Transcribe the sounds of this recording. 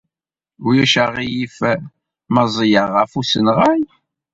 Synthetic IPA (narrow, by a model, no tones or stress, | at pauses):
ujæʃəʁijif | mɑzˤjəʁːəfusənʁaj